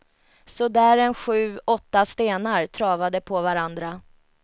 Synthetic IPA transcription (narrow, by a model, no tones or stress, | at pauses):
sɔd̪æːɾɛnɧʉ̟ːɔt̪ːast̪eːnaɾt̪ʰɾɑːvad̪əpʰɔvaɾand̪ɾa